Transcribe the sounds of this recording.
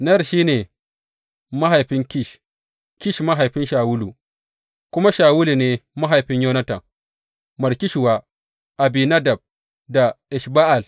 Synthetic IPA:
nɐ˦jɐ˦˨ʃiː˦neː˨ | ma˦ɦa˨jɸɪ˦ŋkʲɪ˦ʃ | kʲɪ˦˨ʃma˦ɦa˨jɸɪ˦nʃaː˨wʊ˦lu˨ | kʷʊ˦ma˦ʃaː˨wʊ˦lu˨neː˨ma˦ɦa˨jɸɪ˦ɲjoː˦nɐ˦tɐ˨ŋ | mɐ˨ɾkʲi˦ʃu˨waː˦ | ʔa˨biː˨na˦dɐ˨b̚ | da˨ʔɪ˨ʃba˦ʔa˨l

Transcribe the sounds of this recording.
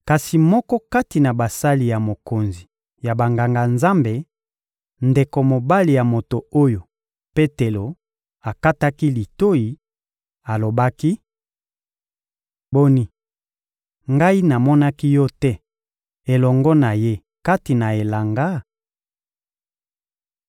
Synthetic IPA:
ka˨si˨mɔ˦kɔ˦ka˦ti˨na˨ba˨sa˦li˨ja˨mo˨ko˨nzi˨ | ja˨ba˨ŋɡa˨ŋɡa˨nza˦mbe˨ | nde˨ko˨mo˨ba˦li˨ja˨mo˨to˨o˦jo˨ | pe˦te˨lo˨ | a˨ka˦ta˦ki˦li˨to˦ji˨ | a˨lo˨ba˦ki˦ | bo˦ni˦ | ŋɡa˦i˦na˨mɔ˦na˦ki˦jɔ˦tɛ˦ | e˨lɔ˨ŋɡɔ˦na˨je˦ | ka˦ti˨na˨e˨la˨ŋɡa˦

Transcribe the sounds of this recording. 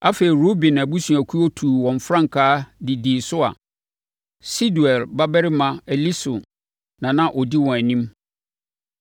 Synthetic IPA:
a˦fe˨i˨ɾo˦bɪ̃˨næ˨bu˦sũ˨æ˨kʰu˦ɔ˦tʰuː˨wɔ̃˨ɱ˨fɾã˦ŋ̩˨kʰaː˦dɪ˨diː˨sʊ˦a̰˨ | si˦du˨ɛ˨lba˦bɛ˦ɾɪ˦mã˨ɛ˨li˦sʊ˨ | nã˨nã˦ʔɔ˨di˦wɔ̃˨æ˨nĩ˦m

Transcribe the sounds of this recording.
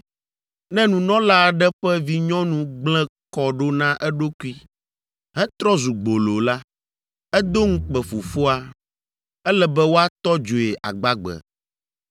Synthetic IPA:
nɛ̃˦nũ˨nɔ̃˦la˦˨ɖɛ˦ɸɛ˦vi˦ɲɔ̃˦nũ˨ɡ͡blɛ̃˦kɔ˨ɖo˦nã˦ʔɛ˦ɖo˦ku˦i˦ | ɦɛ̃˦t̪ɾɔ˦zu˨ɡ͡bo˨lo˨la˦ | ɛ˦d̪o˦ŋ̩̃˦k͡pɛ˨fu˨fo˦a˦ | ɛ˦lɛ˨bɛ˦wo˦a˦t̪ɔ˦d͡ʒo˨e˨ʔa̰˨ɡ͡ba˦ɡ͡bɛ̰˨

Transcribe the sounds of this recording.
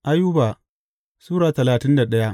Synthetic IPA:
ʔa˦ju˦baː˨ | suː˦ɾaː˨tɐ˨laː˨tɪ˦nda˨ɗɐ˦ja˦

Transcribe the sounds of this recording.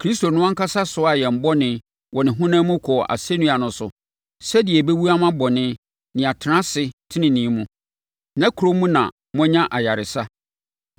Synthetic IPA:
kʰɾi˦sto˨nʊ̃˦ã˦ŋ̩˦kʰa˦sa˦sʊ˨˦a˨jɛ˨m̩˨bɔ˦nɪ̃˨ | wɔ˨nɪ̃˨ɦʊ̃˦nãː˦mũ˦kʰɔ˨ʔa̰˨se˦nũ˦a˨nʊ̃˨sʊ̰˨ | sɛ˦dɪ˨ɛ˨be˦wu˦a˦mã˦bɔ˨nɪ̃˦ | nɪ̃˨a˨tʰɪ˨nã˦sɪ˦tʰɪ˦nɪ̃˨nĩ˨˦mũ˦ | nã˦kʰu˨ɾo˦mũ˦nã̰˨ | mɔ̃˦ɲã˦ʔa˨ja˨ɾɪ˨sa˦

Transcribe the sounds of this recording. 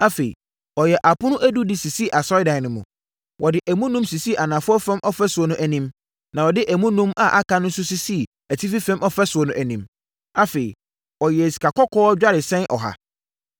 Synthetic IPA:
a˦fe˨ḭ˨ | ɔ˨jɛ˨ʔa˨pʰʊ˦nʊ̃˦ʔæ˦du˦dɪ˨si˨si˦˨ʔa˨sɔ˦ɪ˦dã˨nɪ̃˨mʊ̃˨ | wɔ˨dɪ˨ʔæ˨mũ˦nũ˦msi˨si˦ʔa˨nã˨fʊ˦ɔ˦fɛ̃˦mʔɔ˦fɛ˦sʊ˨ɔ˨nʊ̃˦ʔæ˨nĩ˦m | nã˨wɔ˨dɪ˦ʔæ˨mũ˦nũ˦ma̰˨ʔa˦kʰã˦nʊ̃˦n̩˦sʊ˦si˦si˦˨ | æ˨tʰi˦fi˦fɛ̃˦mʔɔ˦fɛ˦sʊ˨ɔ˨nʊ̃˦ʔæ˨nĩ˦m | a˦fe˨ḭ˨ | ɔ˨jɛ˨si̥˨kʰa˨kɔ˦kʰɔː˦d͡ʑᶣa˦ɾɪ˨sɛ̃˦nʔɔ̰˨ɦa̰˨

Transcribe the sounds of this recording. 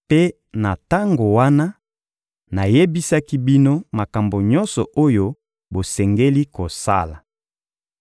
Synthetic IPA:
pe˦ | na˨ta˦ŋɡo˨wa˦na˦ | na˨je˦bi˦sa˦ki˦bi˦no˦ma˨ka˨mbo˨ɲɔ˦nsɔ̰˨ʔo˦jo˦ | bo˨sɛ˨ŋɡe˦li˦ko˨sa̰˦la˨

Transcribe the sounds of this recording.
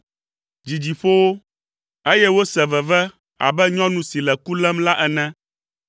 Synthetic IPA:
d͡ʑi˨d͡ʑi˨fo˦wo˦ | e˦jɛ˦wo˦sɛ˨vɛ˨vɛ˦ | a̰˨bɛ˦ɲɔ̃˦nũ˦si˨lɛ˨ku˦lɛ˦mla˦ʔɛ˨nɛ̃˦

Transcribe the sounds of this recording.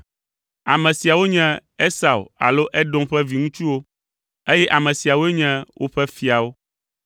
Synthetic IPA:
a˨mɛ̃˨si˨a˨wo˦ɲɛ̃˦e˦sa˨wa̰˨lo˦ʔɛ˦ɖɔ̃˦mɸɛ˦vi˨ŋũ˦t͡ʃu˦wo˦ | e˦jɛ˦ʔa˨mɛ̃˨si˨a˨wo˦e˦ɲɛ̃˦wʔo˦ɸɛ˦fi˨a˨wo˦

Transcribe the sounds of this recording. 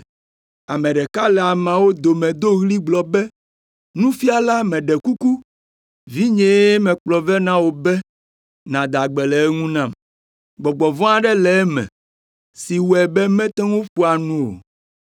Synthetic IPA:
a˨mɛ̃˨ɖɛ˨ka˦lɛ˨a˨mã˨wo˦d̪o˨mɛ̃˨d̪o˦ɣli˦ɡ͡blɔ˨bɛ˦ | nũ˦fi˦a˨la˦mɛ̃˨ɖɛ˨ku˦ku˦ | vi˦ɲɛ̃˨e˦mɛ̃˨k͡plɔ˨vɛ˦nã˦wo˨bɛ˦ | nã˨d̪a˨ɡ͡bɛ˨lɛ˨˦ŋũ˦nã˦m | ɡ͡bɔ˨ɡ͡bɔ˨vɔ̃˦a˨ɖɛ˦lɛ˨ɛ˦mɛ̰̃˨ | si˨wɛ˨bɛ˦mɛ̃˦t̪ɛ̃˦ŋo˦ɸu˦a˨nũ˦o̰˨

